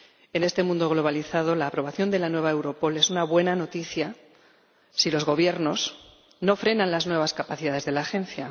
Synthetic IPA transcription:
e̞ne̞st̪e̞mũnd̪o̞ɣlo̞βaliθað̞o̞laːpɾo̞β̞aθjo̞nd̪e̞lanwe̞βae̞wɾo̞po̞le̞sunaβwe̞nano̞t̪iθja | silo̞zɣo̞β̞je̞ɾno̞s | no̞fɾe̞nãnlaznwe̞β̞askapaθiðaðe̞zðe̞laːxe̞n̟θja

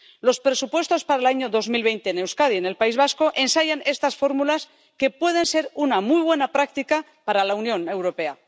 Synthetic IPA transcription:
lo̞spɾe̞supwe̞st̪o̞spaɾaelaɲoðozmilβ̞e̞jnt̪e̞ːne̞wskað̞iene̞lpaizβasko̞ʔe̞nsaʝane̞st̪asfo̞ɾmulas | ke̞pwe̞ð̞e̞nse̞ɾunamujβ̞we̞napɾak̚t̪ika | paɾalaunjõ̞ne̞wɾo̞pe̞a

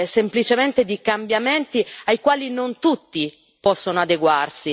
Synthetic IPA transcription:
semplit͡ʃement̪ed̪ikambjament̪iajkwaːlinont̪ut̪ːi | pɔsːonoad̪eɡwarsi

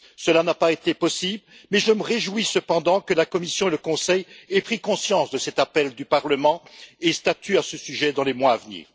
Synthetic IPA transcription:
səlanapaet̪epɔsibl | mɛʒəməʁeʒwisəpɑ̃d̪ɑ̃kəlakɔmisjɔ̃eləkɔ̃sɛjɛpχikɔ̃sjɑ̃sd̪əsɛt̪apɛld̪ypaʁləmɑ̃est̪at̪ʰyasəsyʒɛd̪ɑ̃lemwaːvnḭːʁ

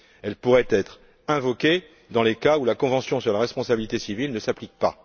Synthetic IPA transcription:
ɛlpuʁɛt̪ɛt̪χ | ɛ̃vɔkʲe | d̪ɑ̃lekaulakɔ̃vɑ̃sjɔ̃syʁlaʁɛspɔ̃sabilit̪esivilnəsaplik̚pa

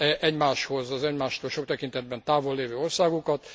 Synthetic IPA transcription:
ɛʔɛɟmaːʃho̞zɒzɛɟmaːʃt̪oːlʃo̞k̚t̪ɛkint̪ɛd̪̚bɛnt̪aːvolːeːvøːorsaːɡukɒt̪

